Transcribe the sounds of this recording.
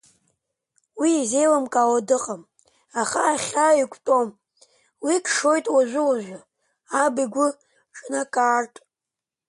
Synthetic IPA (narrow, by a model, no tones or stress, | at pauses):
wiːze̞jlamkʼawadɨqʼam | aχaːχʲaikʷʼtʼom | wikʰʼʂo̞jtʼwaʒʷʊwaʒʷᶣa | abiɡʷʊ | ʈ͡ʂʼnakʼaːrtʼ